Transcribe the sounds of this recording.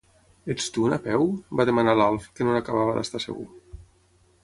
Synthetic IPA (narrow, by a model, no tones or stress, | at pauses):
est̪unapɛwbaðemanalalˠfkənonakaβaβəðə̰st̪asə̰ɣṵ